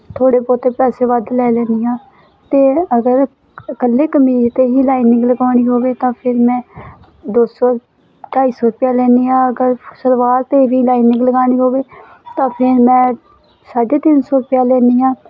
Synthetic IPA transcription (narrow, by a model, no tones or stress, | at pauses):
t̪ʰoːɽeːpɔːt̪eːpɛːseːʋəd̪lɛːlɛːnd̪iːɦãː | t̪eːəɡəɾ | kəlːeːkəmiːɾt̪eːɦiːlaːɪnɪ̃ŋɡləɡaːɽ̃iːɦoːʋeːt̪ãːpʰɪɾmɛ̃ː | d̪oːsɔː | ʈaːiːsɔːɾpɪjaːlɛːniːãːəɡəɾsəɾʋaːlt̪eːʋiːlaːinɪ̃ŋɡləɡaːɽ̃iːɦoːʋeː | t̪ãːpʰɪɾmɛ̃ː | saːɖeːt̪ɪnsɔːpɪjaːlɛːniːãː